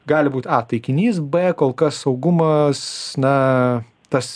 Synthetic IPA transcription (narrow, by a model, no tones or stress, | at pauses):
ɡɑːlʲɪbuːt̪ɑːt̪ɐɪkʲɪnʲiːs̬bɛkoːlˠkɐssɐʊɡʊmɐsnɐ | t̪ɐs